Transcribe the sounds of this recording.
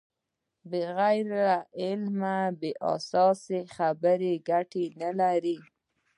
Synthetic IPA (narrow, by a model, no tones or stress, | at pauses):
bəɣajɾaɪlmabeʔa̰sɑsexabəɾeɡaʈenalaɾi